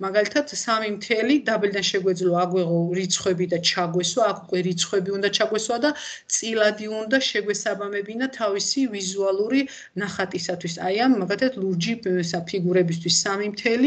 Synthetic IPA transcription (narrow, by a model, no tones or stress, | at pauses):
maɡalit̪ʰat̪ʰsamimt̪ʰɛlid̪abɛld̪anʃɛɡwɛd̪zlɔaɡwɛʁɔɾit̪sʰχwɛbid̪at͡ʃʰaɡwɛswaːkʰukʼwɛɾit̪sʰχwɛbiund̪at͡ʃʰaɡwɛswad̪at̪sʼilad̪iund̪aʃɛɡwɛsabamɛbinat̪ʰavisivizualˠuɾi | naχat̪ʼisat̪ʰwisajamːaɡalit̪ʰat̪ʰluɾd͡ʒisapʰiɡuɾɛbis̬t̪ʰwisːamimt̪ʰɛli